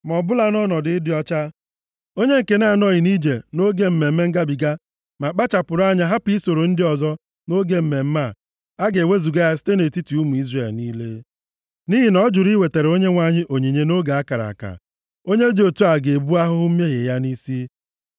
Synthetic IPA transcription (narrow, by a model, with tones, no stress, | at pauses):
mɔ˨bʊ˦la˦nɔ˦nɔ˨dɪ˦dɪ˦ɔ˦t͡ʃa˦ | o˦ɲe˦ŋ̩˨ke˦na˨nɔ˦˨ɣɪ˨ni˦d͡ʒe˨no˦ɡe˦m̩˦me˨m̩˦e˦ŋ̩˦ɡa˦bi˨ɡa˦ | ma˨k͡pa˦t͡ʃa˨pʊ˨ɾa˦ɲa˦ɦa˦pi˦so˨ɾo˨n̩˦dɪ˦ɔ˨zɔ˦ | no˦ɡe˦m̩˨me˨m̩˦ma˦˨ | a˦ɡe˨we˦zu˨ɡa˦a˦si̥˦te˦ne˨ti˦ti˨u˦mu˨i˦zre˨lniː˦le˦ | ni˦ɦi˨nɔ˦d͡ʒʊ˨ɾi˦we˨te˨ɾe˨o˦ɲe˦ŋʷa˦ɲɪ˦ʔo˨ɲi˨ɲe˦no˦ɡa˨a˦ka˨ɾa̰˨ka̰˨ | o˦ɲe˦d͡ʒo˨tu˦a˨ɡe˨bu˦a˦ɦʊ˦m̩˦me˦ɦe˨ja˦ni˦si˦